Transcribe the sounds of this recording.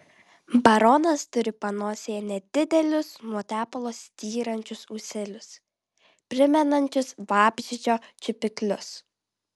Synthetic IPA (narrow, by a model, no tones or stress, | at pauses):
bɐɾɔnɐst̪ʊɾʲɪpɐnoːsʲeːjɛnʲɛd̪ʲɪd̪ʲɛlʲʊsmuɔt̪ʲæːpɐlˠoːsʲt̪ʲiːɾɐnʲt͡ʃʲʊsusʲɛlʲʊs | pʲɾʲɪmʲɛnɐnʲt͡ʃʲʊsʋɑːbʲʒʲɪd͡ʒʲoːt͡ʃʲɪpʲɪklʲʊs